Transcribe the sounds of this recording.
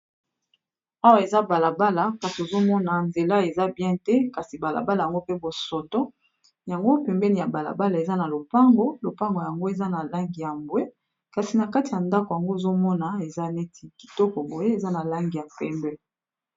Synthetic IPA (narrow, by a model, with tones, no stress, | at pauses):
a˦wa˨e˨za˦ba˨la˨ba˦la˨ka˨si˨o˨zo˦mɔ˦na˨nze˨la˦e˨za˦bjɛ̃˦tɛ˦ka˨si˨ba˨la̰˨ba˦la˨ja˨ŋɡo˦pe˦bo˨sɔ˨tɔ˦ | ja˨ŋɡo˦pɛ˨mbɛ˦ni˨ja˨ba˨la̰˨ba˦la˨e˨za˦na˨lo˨pa˦ŋɡo˦lo˨pa˦ŋɡo˨ja˨ŋɡo˦e˨za˦na˨la˦ŋɡi˨ja˨mbwe˦ | ka˨si˨na˨ka˦ti˨ja˨nda˦ko˨ja˨ŋɡo˦e˨zo˦mɔ˦na˨e˨za˦ne˦tʰi˨ki̥˨tɔ˦kɔ˨bo˨je˦e˨za˦na˨la˦ŋɡi˨ja˨pɛ˦mbɛ˦